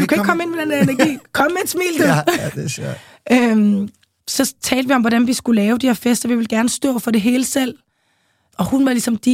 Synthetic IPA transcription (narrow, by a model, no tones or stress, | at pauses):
d̥ukʰæɪkʰme̝nʋed̥end̥ɐnæɐɡḭːkʰɒ̽məmeed̥smḭːld̥e̥ | ʔøm | sɒ̽t͡sʰɛ̰ːld̥ʋiɒ̽mʋɒɾ̥ænʋisɡ̥ulɛːʊd̥ihe̝ɐfesd̥ɐʋiʋe̝lɡ̥æɐnəsd̥ɔ̰ːfɒ̽ɾe̝ɦe̝ːləsel̰ | ʔɒ̽hunʋɑlisɒ̽md̥i